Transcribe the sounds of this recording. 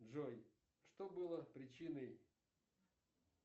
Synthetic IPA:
ʐoj | ʂt̪obɨlˠəpɾʲɪt͡ɕinəj

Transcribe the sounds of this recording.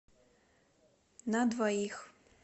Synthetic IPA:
nad̪vɔjix

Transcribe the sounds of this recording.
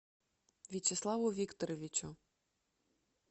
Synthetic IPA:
vʲit͡ɕɛslˠavʊvʲikt̪ɔɾɔvʲit͡ɕu

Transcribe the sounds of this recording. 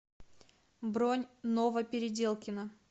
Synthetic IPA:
bɾonʲnovəpʲɪɾʲɪdʲe̞lˠkʲɪnə

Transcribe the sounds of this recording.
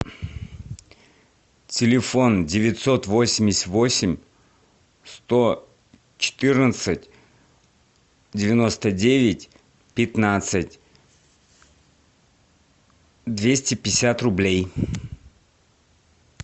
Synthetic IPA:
tʲɪlʲɪfo̞ndʲɪvʲɪt̪sot̪vosʲɪmʲɪsʲvosʲɪmʲ | st̪o | t͡ɕɪ̥t̪ɨrnət̪sɨtʲ | dʲɪvʲɪnost̪ədʲevʲɪtʲ | pʲɪt̪nat̪sɨtʲ | d̪vʲesʲtʲɪpʲɪsʲat̪rʊblʲej

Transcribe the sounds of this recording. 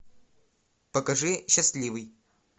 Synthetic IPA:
pɐkɐʐɨɕaslʲivɨj

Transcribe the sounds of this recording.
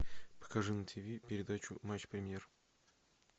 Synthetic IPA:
pə̥kɐʐɨnət̪ʰʲɪvʲipʲɪɾʲɪd̪at͡ɕʊmat͡ɕpɾʲɪmʲjer

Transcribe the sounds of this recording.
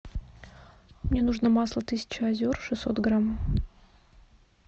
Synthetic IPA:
mnʲe̞nuʐnəmaslˠət̪ɨsʲɪ̥t͡ɕʊɐzʲorʂɨsːo̞t̪ɡɾam

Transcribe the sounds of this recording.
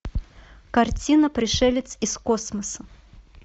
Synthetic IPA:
kɐrt͡sʲinəpɾʲɪʂɛlʲɪt̪sɪskosməsə

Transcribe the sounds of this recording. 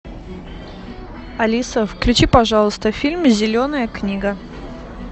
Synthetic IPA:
ɐlʲisəfklʲʉt͡ɕipɐʐɑlˠəst̪əfʲilʲmzʲɪlʲonəjəknʲiɡə

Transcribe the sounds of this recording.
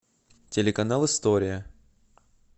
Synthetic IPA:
tʲɪlʲɪkɐnalˠɨst̪oɾʲɪjə

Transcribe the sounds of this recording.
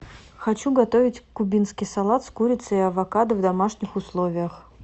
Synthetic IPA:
xɐt͡ɕuɡɐt̪ovʲɪtʲkʊbʲinskʲɪjsɐlˠat̪skuɾʲɪt̪səɪɐvɐkad̪ɨvd̪ɐmaʂnʲɪxʊslˠovʲɪjəx

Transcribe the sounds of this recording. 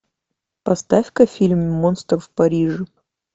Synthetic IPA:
pɐst̪afʲkəfʲilʲmːonst̪rfpɐɾʲiʐɨ

